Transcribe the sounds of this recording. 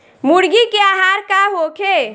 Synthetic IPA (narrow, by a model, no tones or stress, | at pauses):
muɽɡikeaɦaɾkaɦokʰe